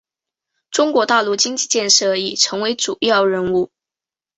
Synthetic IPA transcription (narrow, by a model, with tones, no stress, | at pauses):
ʈ͡ʂʊ˥ŋkwɔ˧˥t̪a˥˧ʊlu˥˩t͡ɕi˥ŋt͡ɕi˥˧t͡ɕjɛ˥˧nʂɤ˥˩i˥˩ʈ͡ʂʰɤ˧˥ŋwe˧˥ɪʈ͡ʂu˨˩jɑ˥˩ʊɻə˧˥nu˥˩